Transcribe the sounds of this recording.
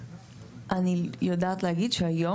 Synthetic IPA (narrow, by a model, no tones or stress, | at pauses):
anijod̪at̪laɡit̪̚t͡ɕʰɔjɔ